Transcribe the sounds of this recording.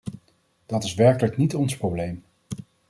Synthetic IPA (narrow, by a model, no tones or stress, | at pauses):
d̥ɑtɪsʋɛɹkələknitɔnsprowblejm